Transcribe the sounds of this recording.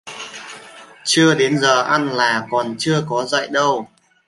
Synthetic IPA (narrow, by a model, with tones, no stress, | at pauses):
t͡ɕɨ˧əɗe˨˦nzəː˨˩ʔa˧nlaː˨˩kɔ˨˩nt͡ɕɨ˧əkɔ˨˦zə̰˧˨jɗə˧w